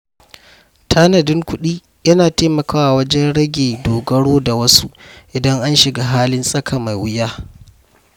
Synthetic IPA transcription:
tʰaː˦nɐ˨dɪ˦ŋkʷʊ˦ɗiː˦ | jɐ˦naː˨teː˦mɐ˨kaː˦wa˨wɐ˦d͡ʒɛ˦nɽɐ˦ɡʲeː˨doː˨ɡɐ˦ɽoː˦da˨wɐ˦su˦ʔʔɪ˨dɐ˦ŋʔa˦nʃɪ˨ɡa˦ɦaː˦lɪ˦nsʼɐ˦kʰa˨ma˨jwʊ˦jaː˦

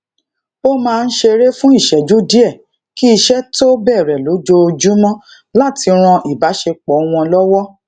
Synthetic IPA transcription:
o˦mãː˧n̩˦ʃe˧ɾe˦fũ˦i˦˨ʃɛ˨d͡ʒu˨˦di˦ɛ˦˨ | ki˦i˧ʃɛ˦to˦bɛː˦˨ɾɛ˨lo˨˦d͡ʒo˧d͡ʒu˦mɔ̃˦ | la˦˨ti˧ɾ̃ɔ̃˧ʔi˨ba˨˦ʃe˧k͡pɔ˨˦˧w̃ɔ̃˧lɔ˦wɔ˦

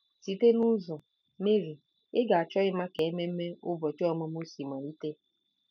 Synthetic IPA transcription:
si˨te˦nʊ˦zɔ˨ | me˦ɾi˨ | ɪ˦ɡa˨a˨t͡ʃɔ˦ɣɪ˦ma˦ke˨e˦me˦m̩˦me˦ʊ˦bɔ˨t͡ʃɔ˦˨ma˦mu˦si˨ma˨ɾi˦te˦

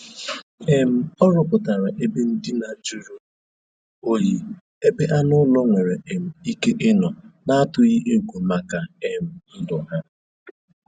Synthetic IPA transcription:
e˨m̩˦ɔ˦ɾɔ˦pʊ˨ta˨ɾa˨ʔe˦be˦n̩˦dɪ˦na˨d͡ʒu˦ɾu˦ | o˦ji˦ | e˦be˦ʔa˦nʊ˦lɔ˦ŋʷe˨ɾe˨e˨m̩˨i˦ke˦ʔɪ˦nɔ˨na˦a˦tʊ˨ɣi˦ʔe˦ɡʷo˨ma˨ka˨e˦m̩˦dɔ˨ɦa˦

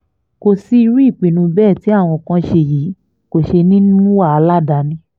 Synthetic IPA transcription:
ko˧si˧i˧ɾi˦i˦˨k͡pĩ˨nũ˧bɛː˦˨ti˨˦a˦˨w̃ɔ̃˧kã˧ʃe˧˨jiː˨˦ | ko˦˨ʃe˧nĩ˦nũ˦wa˦˨a˧˦la˦da˨˧˦nĩ˧˦

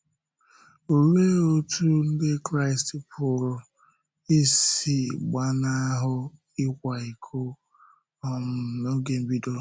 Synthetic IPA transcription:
o˨ɾe˦o˦tʰu˦n̩˦de˦kɾa˦ɪ˨stpʰʊ˨ɾʊ˨ | i˦si˦ɡ͡ba˦na˦ɦʊ˦ | i˦kʷa˨i˨kʰo˦ | ɔ˨m˨no˦ɡe˨m̩˨bi˦do˦

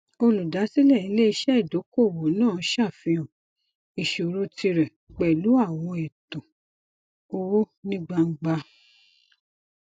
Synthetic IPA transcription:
o˧lu˨da˨˦si˦lɛ˦˨i˨˦le˦i˧ʃɛ˦i˦˨do˨˦ko˦˨wo˨˦nãː˦˨˦ʃa˦˨fĩ˧ɔ̃˨ | i˨ʃo˨ɾo˧˦ti˧ɾɛ˨ | k͡pɛ˨lu˨˦a˦˨w̃ɔ̃˧ɛ˨tɔ̃˨ | o˧wo˦nĩ˦ɡ͡ba˧ŋ̩˦ɡ͡ba˧

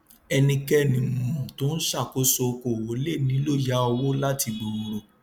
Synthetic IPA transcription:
ɛ˧nĩ˧kɛ˦˨nĩ˨mɔ̃˨to˦n̩˦ʃa˦˨ko˨˦so˧ko˦˨wo˨˦le˦˨nĩ˨˦lo˦˨ja˨˦ɔ˧wo˦la˦ti˧ɡ͡bo˨ɾo˨ɾo˨

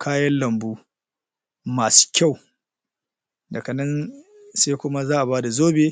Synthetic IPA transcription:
kʰaː˦jɐ˦nlɐ˨mbuː˦ | maː˨su̥ː˦kʲa˦˨w | dɐ˨kɐ˨nɐ˦n | sa˦jkʷʊ˦ma˦zaː˦ʔa˨baː˦da˨zoː˦beː˦

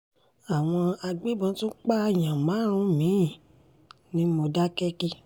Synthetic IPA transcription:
a˨w̃ɔ̃˧a˧ɡ͡be˦bɔ̃˧˦tu˦k͡pa˦˧˨j̃ã˨mã˨˦˨ɾ̃ũ˧˦mĩ˨˦˨ | nĩ˦mo˧da˦kɛ˦ki˦

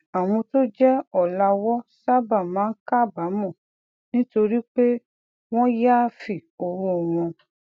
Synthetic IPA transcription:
a˨w̃ɔ̃˧to˦d͡ʒɛ˦ɔ˦˨la˧wɔ˦sa˦ba˦˨mãː˨˦n̩˦ka˦˨ba˨˦mɔ̃˦˨ | nĩ˦to˧ɾi˦k͡pe˦ | w̃ɔ̃˦ja˦˨fi˨o˨wo˦˨w̃ɔ̃˧

